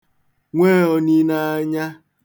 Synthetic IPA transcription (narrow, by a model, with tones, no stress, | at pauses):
ŋʷe˦ɔ˨ni˦na˦ɲa˦